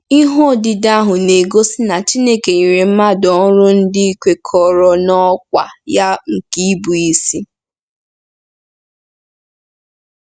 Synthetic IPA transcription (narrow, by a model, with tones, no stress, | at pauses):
i˦ɦo˦˨dɪ˨da˦ɦʊ˨ne˨ɡo˦si˦na˨t͡ʃi˦ne˦ke˨i˨ɾe˨m̩˦ma˦dɔ˨˦ɾʊ˦n̩˦dɪ˦i˦kʷe˨kʰɔ˨ɾɔ˨nɔ˦kʷa̰˨ja˦ŋ̩˨ki˦bu˨i˦si˦